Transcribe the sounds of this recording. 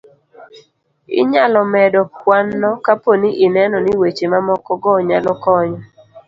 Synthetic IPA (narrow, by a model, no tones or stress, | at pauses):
ɪ̰ɲalɔmɛdɔpwanːɔkaponiʔinɛnɔnɪwet͡ʃemamɔkɔɡɔɲalɔkɔɲɔ